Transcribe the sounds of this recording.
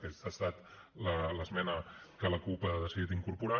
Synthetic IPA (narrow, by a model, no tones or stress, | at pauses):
keast̪at̪ | lələzmɛnə | kələkupaðəsiðit̪iŋkuɾpuɾa